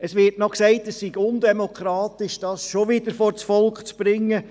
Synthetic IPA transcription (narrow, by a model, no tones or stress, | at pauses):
əsʋɪɾtnɔksɛɪtəssiɡʊndemokʰɾɑːt̪ɪʃd̥ɑːsʃoʋɪd̥əɾfɔɾt͡sfɔlkt͡sb̥ɾɪŋːə